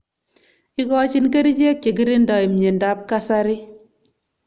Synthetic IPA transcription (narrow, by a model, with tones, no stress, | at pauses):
i˦kɔ˦t͡ʃi˦nke˦ɾi˦t͡ʃe˦kje˨ki˦ɾi˦nda˨i˨mɲe˨nda˦p̚ka˦sa˦ɾi˦